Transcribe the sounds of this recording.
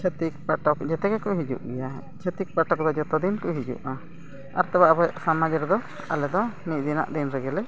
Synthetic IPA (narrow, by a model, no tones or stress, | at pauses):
t͡ʃʰət̪ik̚paʈɔkd͡ʒɛt̪ɛɡɛkɔʔɦid͡ʒṵʔɡɛja | t͡ʃʰət̪ik̚paʈɔk̚d̪ɔd͡ʒɔt̪ɔd̪inkɔɦid͡ʒṵʔa | a̰ɾt̪ɛbaʔbɔsamad͡ʒɛɾd̪ɔ | a̰lɛd̪ɔnic̚d̪ina̰ʔd̪inɾɛɡɛlɛ